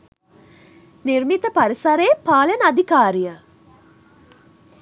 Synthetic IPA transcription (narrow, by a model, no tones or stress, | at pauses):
niɾmit̪əpaɾisɐɾeːpaːlɐnad̪ikaːɾijə